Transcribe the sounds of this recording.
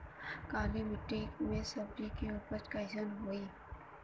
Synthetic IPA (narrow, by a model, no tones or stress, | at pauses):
kaːlimɪʈːikmẽsɐbɾikeupəɾt͡ʃkaːɪsənɦoːiː